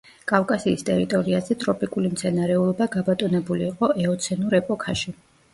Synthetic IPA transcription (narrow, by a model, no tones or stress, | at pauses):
kʼafkʼasiːst̪ʼɛ̰ɾit̪ʼɔɾiazɛt̪ʼɾɔpʼikʼulimt̪sʰɛnaɾɛulˠɔbaɡabat̪ʼɔnɛbuliːqʼɔʔɛɔt̪sʰɛnuɾɛpʼɔkʰaʃi